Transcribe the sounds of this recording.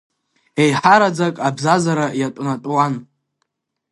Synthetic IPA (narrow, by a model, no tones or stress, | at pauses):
ejħaɾad͡zakʼabzazaɾajatʷʼnatʼwan